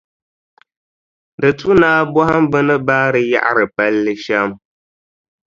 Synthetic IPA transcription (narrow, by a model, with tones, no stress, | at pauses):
dɨ˨tu˦naː˦bɔ˦ha˦mbɨ˦nɨ˦baː˦ɾɨ˨ja̰˦ʔa̰˦ɾɨ˨pa˦lːɨ˦ʃa˦m